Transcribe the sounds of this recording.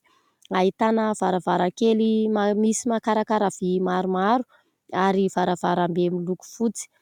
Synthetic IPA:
ait̪anəvaɾavaɾakelimamisimakaɾakaɾav̥imaɾumaɾu̥ | aɾiv̥aɾavaɾambemiluku̥fut͡si̥

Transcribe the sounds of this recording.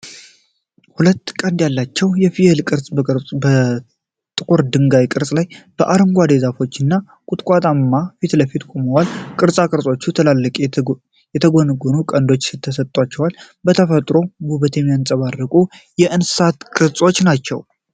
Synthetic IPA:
hulət̪ːkʼənd̪jalːat͡ʃːɛwjɛfijelkʼɨɾsʼbəɾbə | t̪ʼɨkʼuɾd̪ɨŋɡajkʼɨɾsʼlajb̥əʔaɾɨmɡʷad̪ezafo̞t͡ʃːɨnːa | kʼut̪ʼkʷʼat̪ʼamːafit̪ləfit̪kʷʼoməwalkʼɨɾsʼakʼɨɾsʼo̞t͡ʃːut̪ʰəlalːɨkʼ | jɛt̪ʰəɡonɨɡonukʼənd̪o̞t͡ʃːsɨt̪ʰːəsət̪ʼːwat͡ʃːɛwal | bət̪ʰəfət̪ʼɾo̞buβət̪ʰemjansʼəβarːəkʼu | jɛʔɨnɨ̥sat̪kʼɨɾsʼo̞t͡ʃːnat͡ʃːɛ̰w

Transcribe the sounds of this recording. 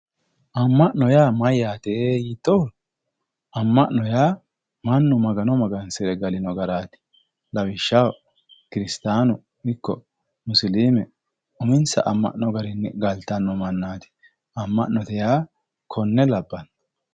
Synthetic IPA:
ʔɐmːɐʔnɔjaːmɐjːaːt̪eːjɪt̪ːɔw | ʔɐmːɐʔnɔjaː | mɐnːʊmɐɡɐnɔmɐɡɐnsɪɾɛɡɐlɪnɔɡɐɾaːt̪ɪ̥ | lɐwɪʃːɐw | kɪɾɪst̪aːnʊ | ɪkːɔ̰ | mʊsliːmɛ | ʊmɪnsɐ̰ʔɐmːɐ̰ʔnɔɡɐɾɪnːɛɡɐlt̪ːɐnːɔmɐnːaːt̪ɪ̥ | ɐmːɐʔnːɔt̪ɛjaː | kʰɔnːɛlɐbːɐn

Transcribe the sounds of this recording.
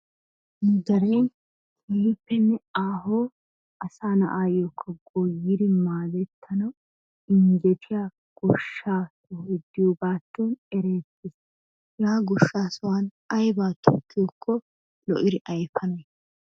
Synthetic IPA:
ɪd̪ɐɾejn | ɛpːɛnːɛaːɦoː | ɐsaːnɐ̰ʔaːjokʰːɐɡojɪdɪmaːd̪ɛt̪ːɐnɐw | ɪŋd͡ʒɛt̪ʰɪja | ɡ̥ɔʃːaːsɔhd̪ːɪjoːbaːt̪ːuːnɛɾeːt̪ːɪs | jaːɡɔʃːaːsɔwaːn | ɐjbaːt̪ʰɔkːɪjɔkʰːɔ | lɔʔɪɾɪʔɐjfɐnɐ

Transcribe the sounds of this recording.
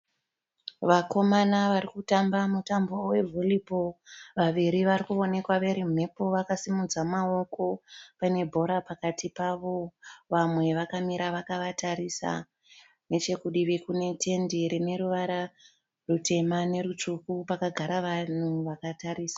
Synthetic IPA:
ʋako̞manaʋaɾikutambamutambo̞we̞vʱoliboʋaʋiɾiʋarikuo̞ne̞kwaʋe̞ɾim̤e̞po̞ʋakasimud͡zamao̞ko̞pane̞bʱo̞ɾapakatipaʋo̞ʋamwe̞ʋakamiɾaʋakaʋataɾisa̰ | ne̞t͡ʃe̞kuɗiʋekune̞tʰe̞ndiɾine̞ɾuʋaɾa | rute̞mane̞ɾut͡ʂukupakaɡʱaɾaʋan̤uʋakataɾiːsḁ

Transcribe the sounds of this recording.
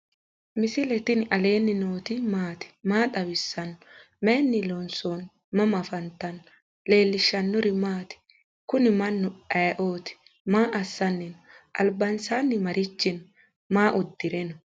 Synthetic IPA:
mɪsɪlɛt̪ɪnɪʔɐle̞ːnːɪnoːt̪ɪmaːt̪ɪ̥maːt̪ɐwɪsːɐnːɔ | mɛnːɪlonson | mɐmɐfɐnt̪ɐnɔ | le̞ːlːɪʃːɐnːɔɾɪmaːt̪ɪ̥ | kʊnɪmɐnːʊɐjʔoːt̪ɪ̥ | maːʔɐsːɐnːɛnʔɐ̰lbɐnsaːnːɪmɐɾɪt͡ʃːɪn | maːʔʊd̪ːɪɾɛnɔ

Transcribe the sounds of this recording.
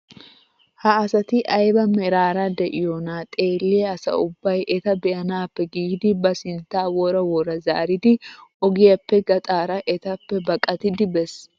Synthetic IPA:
hɐːsɐt̪ɪʔɐjbɐmɛɾaːɾɐd̪ɛʔɪjonaːt̪ʼeːlːeːɐsɐ̰ʊbːɐjʔɛt̪ɐbɛʔɐnaːpːɛɡiːd̪ɪbɐsɪnt̪aːwɔɾɐwɔɾɐza̰ːɾɪd̪ɪʔɔɡɪjɐpːɛɡɐt̪ʼaːɾɐʔɛt̪ɐpːɛbɐkʼɐt̪ɪd̪ɪbɛs

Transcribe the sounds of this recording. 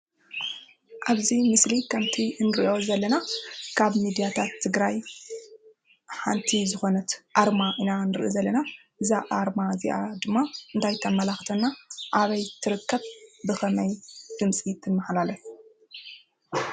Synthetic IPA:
ʔaβzimɨslikʰɐmt̪ʰinɨɾiʔo̞zɐlːɐnakʰaβmid̪ijat̪ʰat̪ʰːɨɡɾaj | ħant̪ʰizɨxo̞nɐt̪ʔaɾmaʔinanɨɾʔizɐlːɐna | ʔɨzaʔaɾmazḭʔa̰d̪ɨmːaɨnt̪ʰajt̪ʰɐmɐlaxt̪ʰɐnːaʔaβɐjt̪ʰɨɾɨkːɐβbɨxɐmɐjd̪̥ɨmsʼit̪ʰɨmːɐħlalɐt̪

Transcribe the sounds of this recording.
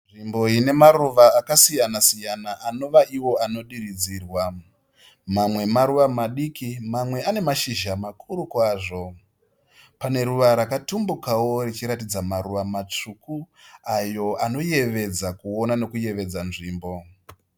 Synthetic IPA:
nʐimbo̞ine̞maruʋaːkasijanasijanaʔano̞ʋaʔiwo̞ano̞ɗirid͡ziːrwa | mamwe̞maɾuʋamaɗikimamwe̞ane̞maʃiʒamakʰuɾukwaːʐo̞ | pane̞ɾuʋaɾakatumbukawo̞rit͡ʃiɾatid͡zamaɾuʋamat͡ʂukuajo̞ano̞je̞ʋe̞d͡zakuonano̞kuje̞ʋe̞d͡zanʐiːmbo̞

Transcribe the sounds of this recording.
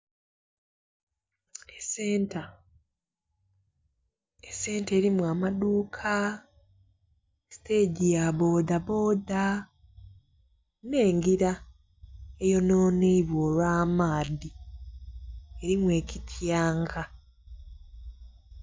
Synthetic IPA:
eseta | ese̞ːnte̞ːɾimwamaduːkʰa | esi̥te̞ːɟijaβo̞ːdaβo̞ːda | ne̞ːŋɡiɾa | e̞jo̞no̞ːneiβwoːlwaːmaːði | e̞ɾimwe̞ːcitʰjaːŋɡa

